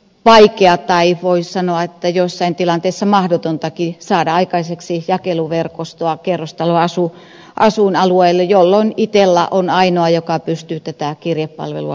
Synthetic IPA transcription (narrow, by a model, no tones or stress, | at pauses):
ʋɑikeɑt̪ɑiʋoissɑnoɑet̪ːæjosːɑint̪ilɑnt̪eisːɑmɑhdot̪ont̪ɑkisɑːdɑɑikɑiseksijɑkeluʋerkost̪oɑkerːost̪ɑloɑsu | ʔɑsunɑlueilːejolːoinit̪elːæʔonɑinoɑjokɑpyst̪yːt̪æt̪ækirjeppɑ̰lʋḛluɑ